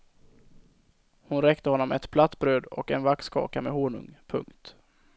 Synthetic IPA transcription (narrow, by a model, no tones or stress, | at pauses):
hʊnɾɛkt̪əhɔnːɔmɛt̪pʰlat̪ːbɾøːd̪ɔ̰kɛnvakskʰɑ̰ːkamɛɦoːɳɵ̰ŋpʰɵ̰ŋkt̪